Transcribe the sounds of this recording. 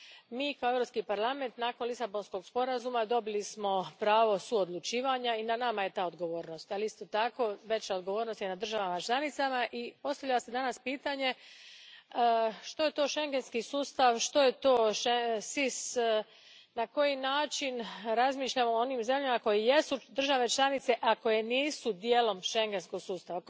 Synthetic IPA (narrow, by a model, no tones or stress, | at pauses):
miːkao̞eʋɾo̞pskipaɾlˠame̞nt̪naːkonlisabo̞nsko̞ɡ̥spo̞ɾazumad̪o̞bilismo̞pɾaːʋo̞suod̪lˠut͡ʃiːʋaɲainanamaje̞t̪aːod̪ɡo̞ʋo̞ːɾno̞st̪alist̪ot̪ako̞ʋe̞t͡ʃaod̪ɡo̞ʋo̞ːɾno̞st̪jenad̪r̩ʒaʋamat͡ʃlʲˠanit̪samaʔipo̞st̪aʋlʎased̪anaspiːt̪aɲe̞ | ʃt̪o̞je̞t̪o̞ːʃe̞ŋɡe̞nskisuːst̪aʋʃt̪o̞jet̪o̞ːʃesis | nako̞jinaːt͡ʃinɾazmiːʃʎamoonimze̞mʎamako̞jeje̞sud̪r̩ʒaʋe̞t͡ʃlˠanit̪se̞ʔakojeniːsud̪jeːlo̞mʃe̞ŋɡe̞nsko̞ɡsuːst̪aʋa